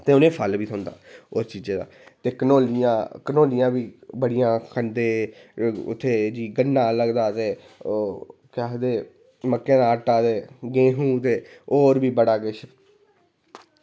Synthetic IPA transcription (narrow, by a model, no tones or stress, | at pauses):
t̪eːʊnẽːpʰəlbiːsʰə̃ːnd̪a̰ːoːɾt͡ʃiːd͡ʒeːd̪a̰ːt̪eːkənoːljãːkənoːlɪjãːbiːbəɽɪjãːkʰənd̪eː | ʊ̰t̪ʰːeːd͡ʒiːɡənːãːləɡd̪aːt̪eː | kɛd̪eː | məkːẽːd̪aːəʈːaːt̪eːɡẽːɦũːt̪eːoːɾbiːbəɽaːɡɪʃ